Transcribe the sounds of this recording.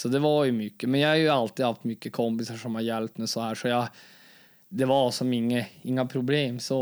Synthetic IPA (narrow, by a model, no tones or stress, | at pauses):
sɔd̪ɛʋɑɾjʊmʏkːəmɛnjɑhɑɾjʊɑlt̪iːd̪hɑft̪mʏkːəkʰɔmpɪsaʂɔmhɑɾjɛlp̚t̪mɛsɔhæːʂɔjɑ | d̪ɛvɑɾsɔmɪŋːəɪŋːapʰɾʊbleːmsɔ